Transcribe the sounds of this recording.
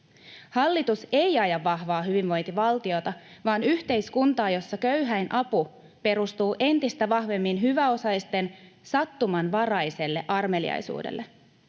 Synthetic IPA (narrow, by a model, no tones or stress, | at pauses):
hɑlːit̪use̞jɑjɑʋːɑhʋɑːɦyʋiʋʋo̞jnt̪iʋɑlt̪io̞t̪ɑʋɑːnyht̪e̞jskunt̪ɑːjo̞sːɑkøyɦæjnʔɑpu | pe̞ɾust̪uːʔe̞nt̪ist̪æʋɑhʋe̞mːinɦyʋæo̞sɑjst̪e̞nsɑt̪ːumɑnʋɑrɑjse̞lːe̞̰ʔɑrme̞lḭɑ̰jsṵːdḛlːe̞